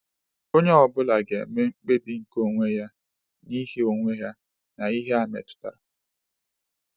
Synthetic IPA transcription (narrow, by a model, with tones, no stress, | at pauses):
o˦ɲe˦ɔ˨bʊ˦la˨ɡḛ˨˦me˦ŋ͡m̩˦k͡pe˦bi˨ŋ̩˨ko˦ŋʷe˦ja˦ | ni˦ɦe˦o˨ŋʷe˦ja˦ | na˨i˦ɦe˦a˨mḛ˨tʊ̥˦ta̰˨ɾa˨